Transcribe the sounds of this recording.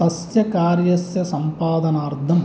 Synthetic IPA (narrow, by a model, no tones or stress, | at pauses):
ɐsjɐkaːɾjɐsjɐsɐmpaːd̪ɐnaːɾd̪ʱɐm